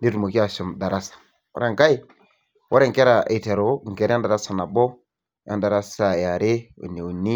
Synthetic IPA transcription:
ndi˦ɾu˨mo˨ki˦a˨ʃu˨mda˨ɾa˦sḁ˨ | wa̰˦ɾa˨ŋka˦i˦ | wʔa˦ɾe˦ŋke˦ɾa˨ḛ˨te˨ɾo˨ŋ˨ke˨ɾa˦nda˨ɾa˦sa˨na˨bo˦ | jʔa̰˦nda˨ɾa˦sa˨ja˨ɾe˦ṵ˨ni˨u˨nːi˦

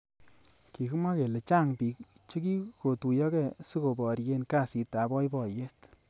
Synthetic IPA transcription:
ki˨ku˦ma˦ke˨le˨t͡ʃa˦˨ŋpi˨kt͡ʃe˦ki˦ko˨tu˨jɔ˦kɛ˦˨si˦ko˨bɔ˨ɾje˦nka˦˨si˨ta˨bɔ˦jbɔ˨je˦k̚

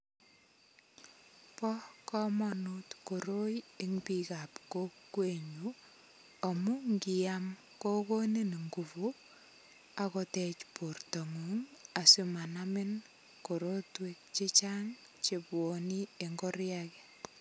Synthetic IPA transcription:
pɔkɔ˦mɔnutko˨ɾo˦je˦ŋpika˨pko˦kːwe˨ɲu | ɔ˨mu˦ŋɡijam | ko˦ko˦ne˦n˨ŋɡu˨vu˦ | akɔtɛt͡ʃpu˨rto˨ŋu˨ŋa˨sima˨namɪ˦n | ko˨ɾotwe˨k̚t͡ʃi˦t͡ʃaŋ | t͡ʃebwo˨ni˦e˨ŋɡɔ˦rjakɛ̥

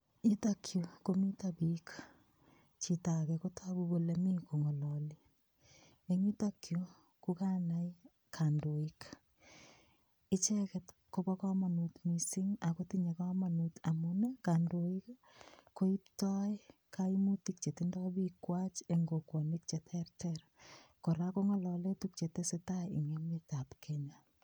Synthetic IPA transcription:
ɲitakʰjo˨komi˦tabik | t͡ʃi˨ta˨kɛ˨kotʰa˦bubo˨lemi˦ko˨ŋɔ˨lɔ˨li | e˨ɲi˦takjo | kukanaj | kʰa˨ndo˨ik | ɪ˦t͡ʃɛ˦kɛt | ko˦ba˦kɔ˦ma˨nutmisi˦ŋa˨ko˦tiɲe˨ka˦ma˨nuta˨mune˦ka˨ndoi˦k | ko˦i˦p̚tɔ˦ɪkʰaimu˦ti˦k̚t͡ʃe˨tindɔ˦bi˦kwa˦t͡ʃe˨ŋɡo˨ko˨nik̚t͡ʃe˨tʰɛ˦rtɛrko˨ɾako˦ŋɔ˦lɔle˦tuk̚t͡ʃe˨te˦se˦taḭ˨ŋe˦meta˨pkʰɛɲa

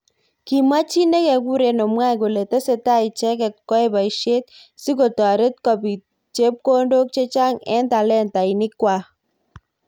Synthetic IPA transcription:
ki˨ma˦t͡ʃi˦nɛ˦kɛ˨ku˦ɾe˨nɔ˨mwa˦jko˨le˨tə˦se˨ta˦i˨t͡ʃɛ˦kɛ˨t̚kɔ˦e˦ba˨i˨ʃe˦t̪̚si˦ko˨to˨a˨ɾe˦t̚kɔ˨pi˨ | t͡ʃe˦p̚ko˦ndo˦k̚t͡ʃe˦t͡ʃa˦ŋɛ̰˦nta˨lɛ˦nta˨i˨nɪ˦kwa˨

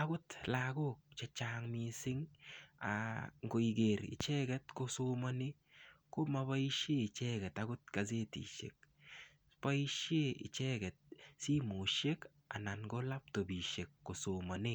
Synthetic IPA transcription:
a˦ɡʊ˦tlaɡo˦k̚t͡ʃe˧t͡ʃaŋmi˧sɪ˦ŋa̰ŋɡo˨i˨ɡe˨ɾɪ̰˨t͡ʃɛ˦ɡɛ˦tkosoma˦ni˦ | ko˦ma˧βa˦i˦ʃe˦ɪ˨t͡ʃɛ˦ɡɛ˨ta˦ɡʊ˦t̚ka˨se˦tḭ˨ʃḛ˨k̚ | pa˦i˦ʃe˦ɪ̰˨t͡ʃɛ˦ɡɛ˨t̚si˦mo˨ʃe˦k | a̰˨na˨nɡo˦la˦p̚to˨bi˨ʃe˨kːo˨so˨ma˨ne˦

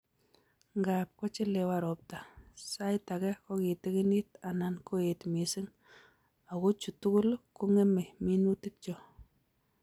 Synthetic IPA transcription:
ŋɡap̚kɔ˦t͡ʃɪ˦le˨wa˨ɾɔ˨p̚ta˨sa˦jta˨kɛ˦ko˦ki˨ti˦ki˦ni˦ta˨na˨nko˦e˨tmi˨sɪ˦ŋ | a˨ko˦t͡ʃu˨tu˦ku˦lku˦ŋɛ˦me˨mi˦nu˦ti˦t̚t͡ʃɔ˦

